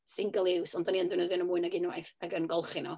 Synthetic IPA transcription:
sɪŋɡəlˠɪwsɔndaniəndɨnəðjɔnəmuɨnaɡɪnwa̰jθaɡənɡɔlˠχinɔ

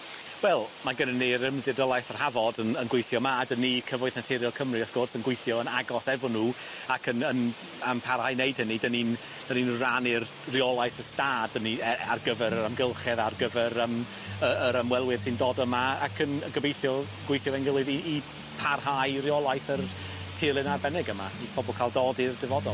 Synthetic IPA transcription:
wɛlˠmaɡənənːerɪmðɪrjɔlˠajθər̥havɔdənənɡwejθjɔmadənikʰəvɔɨθnatʰɛɾjɔkʰəmriaθɡ̥orsənɡwejθjɔənaɡɔsɛvɔnuː | akʰənən | ampʰarhajneɨd̥hənidənin | d̥əninranɪr | riɔlˠajθəstaːdəniɛa̰rɡəvɛɾəɾamɡəlˠχɛðarɡəvɛɾəm | əəɾəmwɛlˠwɪð̥sɨndoːdəmaakʰənəɡəbejθjɔ | ɡ̥wejθjɔvɛnɡɪlˠɨðiː | pʰarhajriɔlˠajθər | tʰɪlˠɪnarbɛnɛɡəmaipʰɔbɔlˠkʰaːlˠdɔdirdɪvɔdɔlˠ

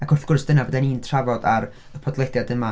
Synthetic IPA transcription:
akʰʊrθɡ̥ʊrsd̥ənavodaniːntʰravɔdaɾ | əpʰɔdlˠɛdjadəma

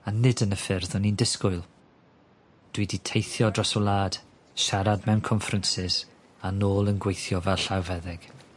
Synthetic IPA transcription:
anɪdənəfɪrðɔnindɪskʊɨlˠ | d̥widitʰejθjɔdrɔsɔlˠaːd̥ | ʃaɾadmɛwnkʰɔɱfrənsɪs | anoːlˠənɡwejθjɔvɛlˠɬawvɛðɪɡ̥

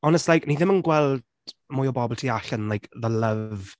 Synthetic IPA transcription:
ɔnɛstlajkniðɪmənɡwɛlˠd̥ | mʊːjɔbɔbɔlˠtʰiːaɬənlajkʰðələv

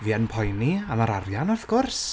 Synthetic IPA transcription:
viənpʰɔjniamaɾarjanɔvɡ̥ʊrs

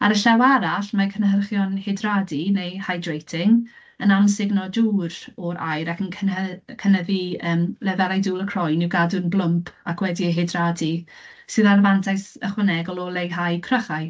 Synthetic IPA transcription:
aɾəɬawaɾaɬmakʰənɦərχjɔnhɪdradinejhajdwejtʰɪŋ | ənamsɪɡnɔduːɾɔɾa̰jɾakʰənkʰənəkʰənəðiəːmlɛvɛɾajduːlˠəkʰrɔjnɪwɡadʊnblˠʊmpʰakʰwɛdiəɦɪdradi | sɨðarvantʰajsə̰χwənɛɡɔlˠɔlˠejɦajkʰrəχaj

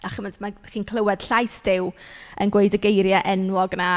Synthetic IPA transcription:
aχəməntʰmaχiːnkʰlˠəwɛd̥ɬajsd̥ɪwənɡwejdəɡejɾjaʔɛnwɔɡna

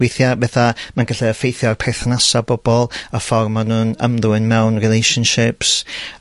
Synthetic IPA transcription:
wejθjabɛθamanɡəɬɛəfejθjɔrpʰɛθnasabɔb̥ɔlˠəfɔrmanuːnəmðʊɪnmɛwnrilejʃənʃɪps

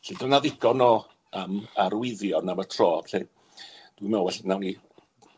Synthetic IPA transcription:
ɬɪdɔnaðɪɡɔnɔː | əmaɾwɪðjɔnamətʰrɔːbɬe | d̥wimɛwɛɬnawni

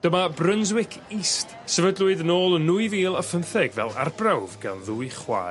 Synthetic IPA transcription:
d̥əmabrənzwɪkʰist | sɛvədlˠʊɨdənoːlˠənːuɨviːlˠəfənθɛɡvɛ̰lˠa̰rbrawvɡa̰nðuːɨχwa̰ː

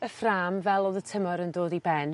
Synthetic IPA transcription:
əfraːmvɛlˠoðətʰəmɔɾəndoːdibɛn

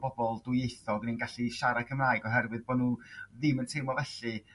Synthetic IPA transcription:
b̥ɔbɔlˠdwjejθɔɡninɡaɬiʃaɾakʰəmraːɨɡɔɦɛrwɨðboːdnuːðɪməntʰɪmɔvɛɬɨ

